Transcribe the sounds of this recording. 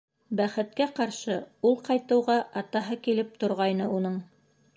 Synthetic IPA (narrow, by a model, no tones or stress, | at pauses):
bæχɘ̆t̪kæqɑɾʃɤulˠqɑjt̪ɤ̆wʁɑʔɑt̪ɑɦɤkilɘp̚t̪ŏɾʁɑjnɤunɤɴ